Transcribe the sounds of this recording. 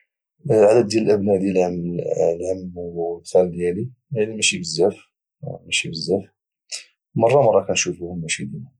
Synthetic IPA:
ʕad̪əd̪ːjæləlʔəbnæd̪jælʕlʕamd̪xæld̪jæliʕænimæʃibəzːæf | mæʃibəzːæf | mɑrˤːɑmɑrˤːɑkænʃufuhʊmːæʃid̪inæ

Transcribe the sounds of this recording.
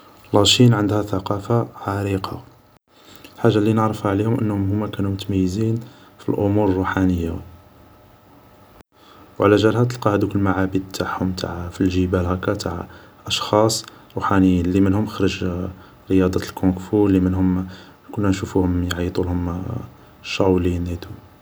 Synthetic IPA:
lɑʃinʕənd̪hæθɑqɑfaʕaɾiqʰɑ | lħaʒːalinəʕɾəfaʕlihʊmʔə̰nːhʊmhʊmːækænumʊt̪mæjːəzinfḭlʔʊmuɾrˤːuħanəjːa | wʕlæʒælhæt̪əlqɑhəd̪ukəlːmaʕabid̪̚t̪ʰaʕhʊmt̪ʰa̰ʕfilʒəbælɦækæt̪ʰaʕ | ʔɑʃxɑsˤ | ɾuħanəjːinlimənhʊmxɾəʒ | ɾəjɑd̪ˤɑlkʰokfulːimənhʊm | kʊnːænʃufuhʊmjʕit̪ˤulhʊm | ʃːɑwlinhit̪u

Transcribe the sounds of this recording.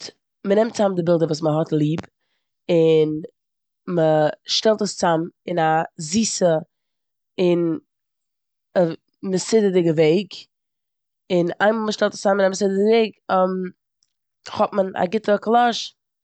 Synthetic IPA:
mənɛmtt͡samdɪbɪlˠdəvuːs̬məɦɔtlˠiːb | ɪn | məʃtɛlˠtəst͡samɪnaziːsə | ɪn | ə | məsɪdədɪɡəveɪɡ | ɪnaɪmlˠməʃtɛlˠtə̥st͡samɪnamɪs̬ɪdədveɪɡɔm | χɔtməna̰ɡɪtəklˠɔʃ

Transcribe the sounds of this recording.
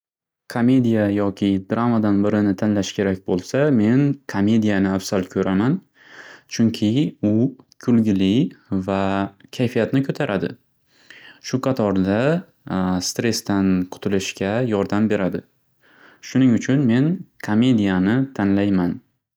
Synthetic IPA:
kʰome̞d̪ijajɒkʲʰɪd̪ɾamad̪anbɪɾɪnɪt̪ʰanlaʃkʲʰe̞ɾakʲbolˠsame̞nkʰome̞d̪ijanɪafsalˠkʲʰɵɾʔaman | t͡ʃʰʊŋkʲʰɪʊkʲʰʊlɡʲɪlɪvakʲʰajfijat̪nɪkʰɵt̪ʰaɾʔad̪ɪ̰ | ʃʊqʰɑt̪ʰɒɾd̪a | st̪ɾe̞st̪anqʰʊ̥t̪ʰɪlɪʃkʲajɒɾd̪ambe̞ɾad̪ɪ | ʃʊnɪŋʊt͡ʃʰʊnme̞nkʰome̞d̪ijanɪt̪ʰanlajman

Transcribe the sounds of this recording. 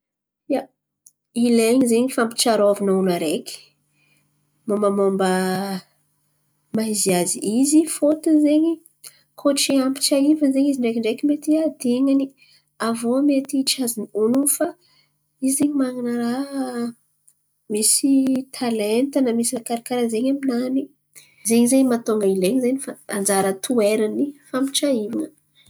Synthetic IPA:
ja | ileɲizeɲifampi̥t͡ʃaɾoavinaunaɾeki̥ | mambamombə | maiziaziʔizifot̪uzeɲi | kʰoʈ͡ʂeampi̥t͡ʃaivəzeɲiziɳɖ͡ʐekiɳɖ͡ʐekimet̪iad̪iŋani | avomet̪iʈ͡ʂazinionunfa | izeɲimaŋanəɾa | misit̪ʰalent̪ənamisinakaɾakaɾazeɲaminani | zeɲizeɲimat̪oŋɡaileɲzanifaand͡zaɾət̪ʰueɾanifampi̥ʈ͡ʂaivanə

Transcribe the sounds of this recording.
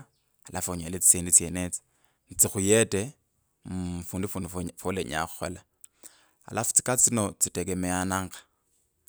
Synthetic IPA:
alʔafoɲalet͡si̥t͡seːndit͡sjenet͡si̥ | nt͡sixujete | fuːndufunufoleɲa̰xu̥xola | a̰lʔafu̥t͡si̥kat͡sinot͡sitekemeanaːŋɡḁ

